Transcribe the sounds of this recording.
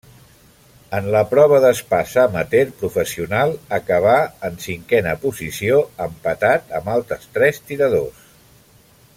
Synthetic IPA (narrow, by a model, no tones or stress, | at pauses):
ənləpɾɔβ̞əðəspasamət̪eɾpɾufəsiunalˠəkəβ̞aənsiŋkɛnəpuzisioəmpət̪at̪əmbalˠt̪ɾəst̪ɾɛst̪iɾəðo̰s